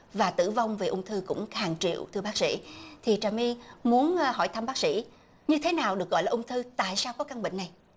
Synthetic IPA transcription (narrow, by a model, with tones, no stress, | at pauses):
vaː˨˩t̪ɨ̰˧˩va˧wŋ͡mve˨˩ʔʊ˧ŋ͡mt̪ʰɨ˧kʊ̰˧˥ŋ͡mhaː˨˩ŋt͡ɕḭ˧˨əwt̪ʰɨ˧əɓaː˦˥k̚sḭ˧˥t̪ʰi˨˩t͡ɕaː˨˩mi˧mu˨˦ənhɔ̰˧˩jt̪ʰa˧mɓaː˦˥k̚sḭ˧˥ | ɲɨ˧t̪ʰe˨˦naː˨˩wɗɨ˨˩ək̚ɣɔ̰˧˨jlaː˨ʔʊ˧ŋ͡mt̪ʰɨ˧t̪a̰ː˧˨jsaː˧wkɔ˨˦ka˧ŋɓï˧˨ŋ̟na˨˩j